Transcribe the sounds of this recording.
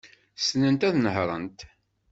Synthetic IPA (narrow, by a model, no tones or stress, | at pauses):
snənt̪æðnəɦɾˤənt̪